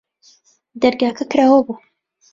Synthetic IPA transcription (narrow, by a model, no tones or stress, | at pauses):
d̪ɐɾɡaːkʰɐkɾaːwɐbuː